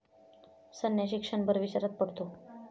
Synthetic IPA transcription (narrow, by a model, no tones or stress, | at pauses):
sənjaɕikʂəɳbəɾʋit͡ɕaɾat̪̚pəɽt̪o